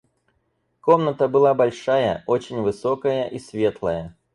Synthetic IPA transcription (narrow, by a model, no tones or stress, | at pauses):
komnət̪əbɨlˠabɐlʲʂajə̰o̞t͡ɕɪnʲvɨso̞kəjəʔisvʲe̞t̪lˠəjə